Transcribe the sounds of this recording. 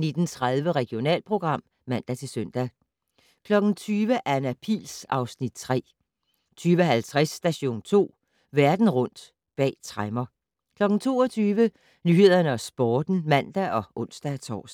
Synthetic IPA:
ne̝d̥n̩t͡sʰʁað̞ˠʋəʁɛɡ̥io̝nɛ̰ːlpʰʁo̝ɡ̥ʁɑ̈m̰ | mæn̰d̥æt͡sʰe̝lsøn̰d̥æ | kʰlɒ̽ɡ̥n̩t͡sʰyːʋəʔæɐenæpʰḭːlsɑ̈ʊsnid̥̚t͡sʰʁɛ̰ː | t͡sʰyːʋəɦælt͡sʰʁɛsːd̥æɕo̝̰ːnt͡sʰo̝̰ː | ʋæɐd̥n̩ʁɔ̽n̰d̥ | b̥ɛ̰ːt͡sʰʁamɐ | kʰlɒ̽ɡ̥n̩t͡sʰo̝̰ːɒt͡sʰyːʋə | nyːhe̝ð̰ˠɐnəɒ̽sb̥ɒːd̥n̩mæn̰d̥æʔɒ̽ʔɔ̽n̰sd̥æt͡sʰɒ̰ːs

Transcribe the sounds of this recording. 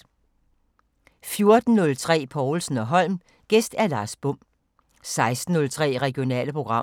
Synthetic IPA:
fjo̝ɐd̥n̩nɔ̽lt͡sʰʁɛ̰ːpʰɒʊl̩sn̩ɒ̽ɦɒ̽l̰m | ɡ̥esd̥æɐlɑ̈ːsb̥ɔ̽m̰ | sɑ̈ɪsd̥n̩ːɔ̽lt͡sʰʁɛ̰ːʁɛɡ̥io̝nɛ̰ːləpʰʁo̝ɡ̥ʁɑ̈

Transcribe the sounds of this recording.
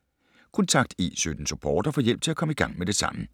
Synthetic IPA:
kʰont͡sʰɑ̈ɡ̥̚d̥e̝̰ːsød̥n̩supʰɒ̰ːd̥ɐfɒjel̰b̥̚t͡sʰe̝lækʰɒ̽məiɡ̥ɑ̈ŋ̰med̥e̝sɑ̈mə

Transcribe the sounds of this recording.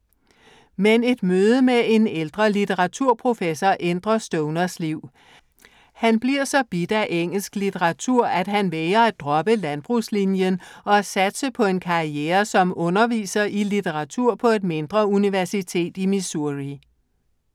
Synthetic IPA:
mene̝d̥møːð̞ˠəmee̝neld̥ʁɐlit͡sʰeʁɑ̈t͡sʰuɐ̰pʰʁo̝fesɒʔend̥ʁɐsd̥ɔʊnɐsliʊ̰ | hænb̥liɐ̰sɒ̽b̥id̥æʔeŋ̰l̩sɡ̥lit͡sʰeʁɑ̈t͡sʰuɐ̰æd̥ɦænʋeɐæd̥ʁɒ̽b̥əlænb̥ʁuslinjənɒ̽æsæd̥səpʰɒ̽e̝nkʰɑ̈ieːɐsɒ̽mɔ̽nɐʋḭːsɐʔilit͡sʰeʁɑ̈t͡sʰuɐ̰pʰɒ̽e̝d̥me̝nd̥ʁɐuniʋæɐsit͡sʰe̝̰ːd̥imisuʁi

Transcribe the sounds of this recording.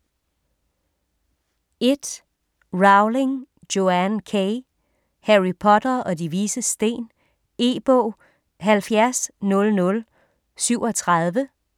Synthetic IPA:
e̝d̥ | ʁɑ̈ʊle̝ŋ | d̥jo̝ænkʰeɪ | hæʁipʰɒ̽d̥ɐʔɒ̽diʋiːsəsd̥e̝̰ːn | e̝̰b̥ɔ̰ː | ɦælfjæɐsnɔ̽lnɔ̽l | syʊɒ̽t͡sʰʁɑð̞ˠʋə

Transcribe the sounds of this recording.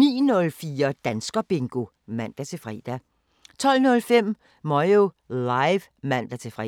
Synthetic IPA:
niːnɔ̽lfiːɐd̥ænsɡ̥ɐb̥e̝ŋɡ̥o̝ | mæn̰d̥æt͡sʰe̝fʁḭːd̥æ | t͡sʰɒ̽l̰nɔ̽lfem̰ | mɒɪolaɪʋ | mæn̰d̥æt͡sʰe̝fʁḭ

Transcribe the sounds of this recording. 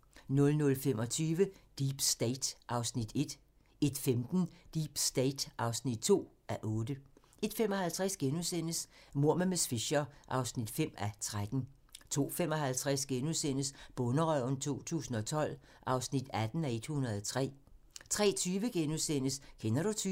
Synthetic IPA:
nɔ̽lnɔ̽lfemɒ̽t͡sʰyːʋəd̥iːb̥sd̥eɪd̥ʔɑ̈ʊsnid̥e̝d̥ | e̝d̥femd̥n̩d̥ib̥sd̥eɪd̥ʔɑ̈ʊsnid̥̚t͡sʰo̝̰ː | æʔɔ̽ːd̥ə | e̝d̥femɒ̽hælt͡sʰʁasɡ̥enusen̰əsmo̝ɐ̰memesfiɕɐʔɑ̈ʊsnid̥fem̰æt͡sʰʁad̥n̩ | t͡sʰo̝̰ːfemɒ̽hælt͡sʰʁasɡ̥enusen̰əsb̥ɔ̽nəʁœʊ̰n̩t͡sʰo̝̰ːt͡sʰṵːsn̩ɒ̽t͡sʰɒ̽l̰ | ʔɑ̈ʊsnid̥æd̥n̩æe̝d̥hunɐð̩ˠɒt͡sʰʁɛ̰ː | t͡sʰʁɛ̰ːt͡sʰyːʋəɡ̥enusen̰əskʰenɐɾ̥ut͡sʰy

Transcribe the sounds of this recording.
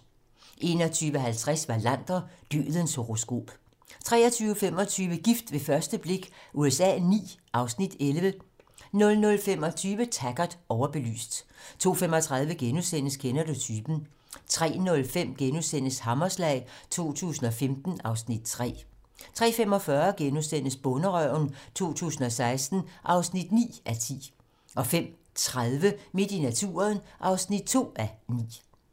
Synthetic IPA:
ʔe̝ːnɐt͡sʰyːʋəɦælt͡sʰʁɛsʋɑ̈læn̰d̥ɐd̥y̰ːð̩ˠənshoʁo̝sɡ̥o̝̰ːb̥ | t͡sʰʁɛ̰ːɐt͡sʰyːʊfem̰ɒ̽t͡sʰyːʋəɡ̥ifd̥ʋe̝fɶɐsd̥əb̥le̝ɡ̥ʔuesɛ̰ːnḭːʔɑ̈ʊsnid̥elʋə | nɔ̽lnɔ̽lfemɒ̽t͡sʰyːʋət͡sʰæɡ̥ɐd̥ˠɒʊɐb̥e̝ly̰ːsd̥t͡sʰo̝̰ːfemɒ̽t͡sʰʁɑ̈ðˠʋəɡ̥enusen̰əskʰenɐd̥ut͡sʰyːb̥n̩ | t͡sʰʁɛ̰ːnɔ̽lfem̰ɡ̥enusen̰əshɑ̈mɐslɛ̰ɪt͡sʰo̝̰ːt͡sʰṵːsn̩ɒ̽femd̥n̩ɑ̈ʊsnid̥̚t͡sʰʁɛ̰ː | t͡sʰʁɛ̰ːfem̰ɒ̽fɶɐɡ̥enusen̰əsb̥ɔ̽nəʁœʊ̰nt͡sʰo̝̰ːt͡sʰṵːs̬n̩ɒ̽sɑ̈ɪsd̥n̩ʔɑ̈ʊsnid̥nḭːʔæt͡sʰḭː | ʔɒ̽fem̰ | t͡sʰʁaðˠʋəmed̥inæt͡sʰṵːɐðˠnʔɑ̈ʊsnid̥̚t͡sʰo̝̰ːænḭː

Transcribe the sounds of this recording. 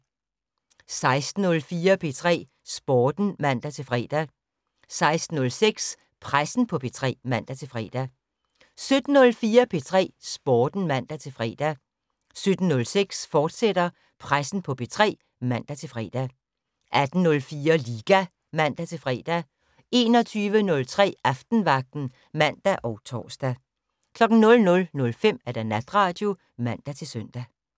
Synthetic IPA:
sɑ̈ɪsd̥n̩ɔ̽lfiːɐpʰe̝t͡sʰʁɛ̰ː | sb̥ɒːd̥n̩mæn̰d̥æt͡sʰe̝lfʁɛ̰ːd̥æ | sɑ̈ɪsd̥n̩ɔ̽lseɡ̥s | pʰʁasn̩pʰɒ̽pʰe̝t͡sʰʁɛ̰ːmæn̰d̥æt͡sʰe̝fʁɛ̰ːd̥æ | sød̥n̩ːɔ̽lfiːɐpʰe̝t͡sʰʁɛ̰ːsb̥ɒːd̥n̩mæn̰d̥æt͡sʰe̝lfʁɛ̰ːd̥æ | sød̥n̩nɔ̽lseɡ̥sfɒːd̥sed̥ɐ | pʰʁasn̩pʰɒ̽pʰe̝t͡sʰʁɛ̰ː | mæn̰d̥æt͡sʰe̝lfʁɛ̰ːd̥æ | ʔæd̥n̩nɔ̽lfiːɐliːɡ̥æ | mæn̰d̥æt͡sʰe̝lfʁɛ̰ːd̥æ | e̝ːnɒ̽t͡sʰyːʋənɔ̽lt͡sʰʁɛ̰ːʔɑfd̥n̩ʋɑ̈ɡ̥̚d̥n̩ | mæn̰d̥æʔɒʊt͡sʰɒ̰ːsd̥æ | kʰlɒ̽ɡ̥n̩nɔ̽lnɔ̽lnɔ̽lfem̰æɐd̥ænæd̥ʁɑ̈ːd̥jo̝ | mæn̰d̥æt͡sʰe̝lsøn̰d̥æ

